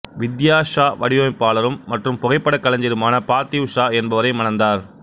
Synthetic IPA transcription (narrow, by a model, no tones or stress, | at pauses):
ʋɪd̪jaːʂaːʋɐɽɪjoːɪpːaːɭɐɾɯmːɐʈrɯmpʊɣɐɪpːɐɽɐkːɐlɐɲd͡ʒɪɾɯmaːnɐpaːt̪iʋʊʂaːɛnbɐʋɐɾɐɪmɐnɐnd̪aːɾ